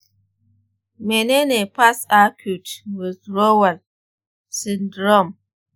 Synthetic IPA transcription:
me˨ne˦ne˨pa˦sa˦kʰu˨twɔ˨zɾo˦wa˨l | si˨ndɾɔ˦˨m

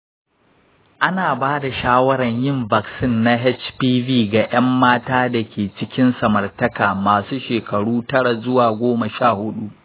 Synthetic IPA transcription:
ʔa˦naː˨baː˦da˨ʃaː˦wɐ˦ɽɐ˨ɲjɪ˦˨mba˨ksɪ˦˨nːa˦ɦɛ˦t͡ʃpiː˦viː˦ɡa˨ʔɐ˦mːaː˦taː˦da˨kʲeː˨t͡ʃɪ˦kʲɪ˦nsɐ˨mɐ˨rtɐ˦kaː˨maː˨suː˦ʃeː˨kʰɐ˨ɽuː˦tɐ˦ɽa˨zʊ˦waː˨ɡʷoː˦ma˨ʃaː˦˨hʊ˦ɗu˦ʔ

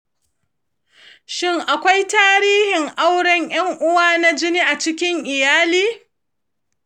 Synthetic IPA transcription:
ʃɪ˦ŋʔa˨kʷa˦jtaː˦ɾiː˦hɪ˨ŋʔa˦wɽɐ˦ɲj̰ɐ˦ŋʔʊ˦waː˦na˦d͡ʒɪ˦niː˦ʔa˨t͡ʃɪ˦kʲɪ˦ŋʔɪ˨jaː˦liː˦

